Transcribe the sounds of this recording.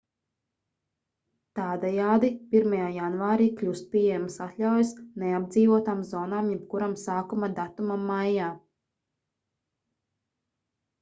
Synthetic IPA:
t̪aːd̪ɛjaːd̪ipiɾmajaːjanvaːɾiːkʎʲust̪̚pʲiɛjamsat̪lʲawjsnɛab̚d̪ziːvuɔt̪aːmzɔːnaːmjɛpkuɾamsaːkumad̪at̪umaːajaː

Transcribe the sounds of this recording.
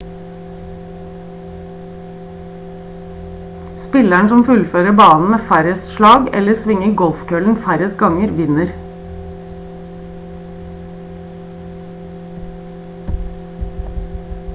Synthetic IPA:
spɪlæɳsɔmfʉlføːɾəbɑːnn̩meːfæɾəsʃɭɑːɡɛ̰ləsʋɪŋəɡɔlfkʰøːln̩fæɾəsɡɑŋəɾʋɪnəɾ

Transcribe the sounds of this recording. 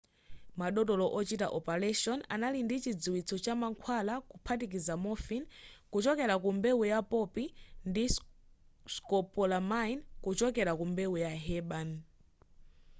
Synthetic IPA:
maɗɔtɔlɔʔɔt͡ʃita̰ʔɔpɛɾɛʃɔna̰nalindit͡ʃid͡ziwit͡sʰɔt͡ʃamaŋkʰwalakupʰat̬ikizamɔfinkut͡ʃɔkɛɾakumbeujapɔpindi | skɔpɔlamajnkut͡ʃɔkɛɾakumbewujaɦɛɓan

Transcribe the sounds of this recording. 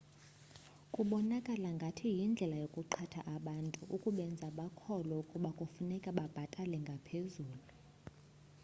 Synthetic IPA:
kʼuɓɔnakʼalaŋɡʱatʰijind͡ɮʱɛlajokʼuǃʰatʰa̰ʔaɓantʼuʔukʼuɓɛnd͡zʱaɓakʰɔlɔukʼuɓakʼufunɛkʼaɓab̥ʱatʼalɛŋɡʱapʰezuːlu

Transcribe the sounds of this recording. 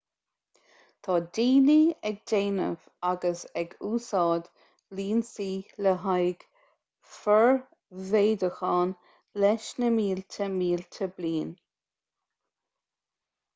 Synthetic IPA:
t̪ʰɑːd̪iːniɛɡ̚d̪eːnə̰v | aɡəsɛɡuːsɑːd̪ | liːnsiːləɦajɡ̥ | fəɹ | veːd̪əxɑːn | lɛʃnəmiːlt̪ʰəmiːlt̪ʰəbliːn

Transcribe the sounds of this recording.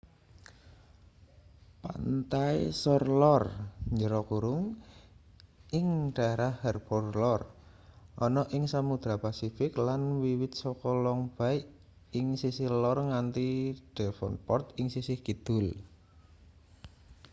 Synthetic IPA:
pa̰nt̪ajsɔrlɔrɲd͡ʒəɾɔkuɾʊŋ | ɪŋɖ̥aɾahːɛrpɔrlɔr | ʔɔnɔʔɪŋsamud̪̥ɾapasifɪklanwiwɪt̪̚sɔkɔlɔŋb̥a̤ɪʔ | ɪŋsisihlɔrŋant̪iɖ̥ɛfɔ̰npɔrt̪ɪŋsisɪhɡ̥id̪̥ʊ̤l

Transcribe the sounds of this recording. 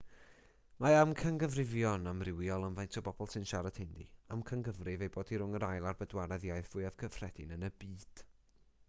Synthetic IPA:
maamkʰəŋɡəvrɪvjɔnamrɪwijɔlˠamvajntʰɔbɔbɔlˠsɨnʃaɾad̥hɪndḭamkʰəŋɡəvrɪvejboːdiɾʊŋəɾajlˠarbədwaɾɛðjajθv̥ʊɨav̥kʰəfr̥ɛdɪnənəbiːd̥

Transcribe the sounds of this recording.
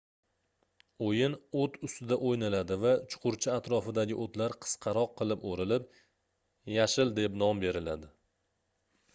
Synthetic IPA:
ojɪnot̪ʰʊst̪ɪd̪aʔojnalad̪ɪvat͡ʃʰʊ̥qʰʊɾt͡ʃʰɪat̪ɾɒfɪd̪aɡʲɪʔot̪laɾqʰɨ̥sqʰɑɾɒqʰːɨlˠɪpoɾɪlɪp̚ | jaʃɪld̪e̞pnɒmbe̞ɾɪlad̪ɪ

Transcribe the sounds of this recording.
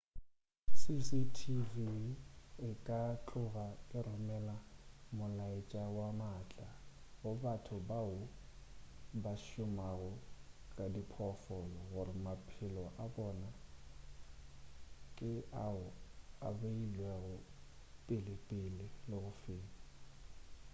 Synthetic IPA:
sisitʰivi | ɪkʼat͡ɬʼʊɣakʼɪrʊmɛlamʊlaɪt͡ʃʼawamat͡ɬʼa | ɣʊbatʰʊbaʊ | baʃʊmaɣʊkʼadipʰɔfɔlɔɣʊrɪmapʰɪlɔʔabɔna | kʼɪaʊa̰beilwɛɣʊ | pʼɪlɪpʼɪlɪlɪɣʊfeːni

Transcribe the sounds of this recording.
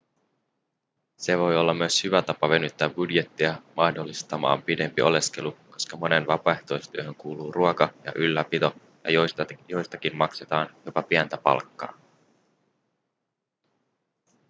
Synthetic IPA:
se̞ʋo̞jo̞lːɑmːyøshyʋæt̪ɑpɑʋe̞nyt̪ːæːbbudje̞t̪ːiɑmɑhdo̞lːist̪ɑmɑ̰ːmpide̞mpio̞le̞ske̞luko̞skɑmo̞ne̞nʋɑpɑeht̪o̞jst̪yøɦø̞ŋkuːluːruokɑjɑ̰ʔylːæpit̪o̞ | jɑ̰jojo̞jst̪ɑkinmɑkse̞t̪ɑːnjo̞pɑpiænt̪æpɑ̰lkːɑ̰ː

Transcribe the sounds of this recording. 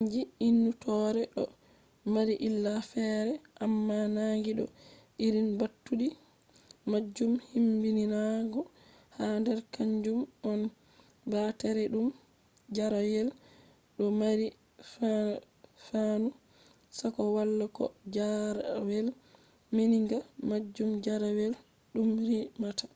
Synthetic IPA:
d͡ʒiinːutɔːɾɛɗɔ | maɾiʔilːafɛɾɛʔamːanaŋɡiɗɔ̰ | iɾinbatːuɗi | mad͡ʒːumhimbininaɡɔ | handɛɾkaɲd͡ʒumɔn | batɛɾɛɗum | d͡ʒaɾawɛl | ɗɔmaɾi | f | fanu | sakɔwalːakɔ̰d͡ʒaɾwɛl | miniŋɡamad͡ʒːumd͡ʒaɾawɛl | ɗumɾimatḁ

